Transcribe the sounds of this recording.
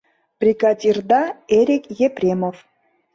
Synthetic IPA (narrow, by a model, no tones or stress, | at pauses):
prʲikɑt̪ʲird̪ɑeɾʲikjeprʲemof